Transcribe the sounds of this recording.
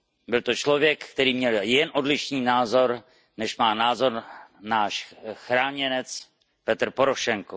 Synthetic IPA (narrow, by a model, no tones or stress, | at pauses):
bɪlt̪o̞t͡ʃlo̞vjɛkkt̪ɛɾiːmɲɛljɛnʔodlɪʃniːnaːzo̞ɾ | nɛʃmaːnaːzo̞ɾnaːʃxɾaːɲɛnɛt͡s | pɛt̪rpoɾoʃɛŋko